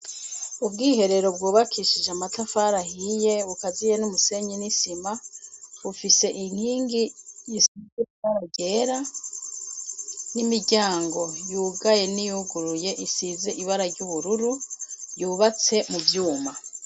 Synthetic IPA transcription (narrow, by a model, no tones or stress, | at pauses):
ubɡiːɦe̞ɾe̞ɾo̞b̚ɡuːβakʰiʃid͡ʒeamatafaɾahije̞βukazijenumuse̞ɲinisimaβufise̞ʔin̥hiːŋɡijisizekβaɾaɟe̞ɾa | nimiɟaːŋɡo̞juːɡaje̞nijuɡuɾuje̞ʔisizeʔiβaɾaɾɟuβuɾuɾujuːβat͡se̞muvjuːma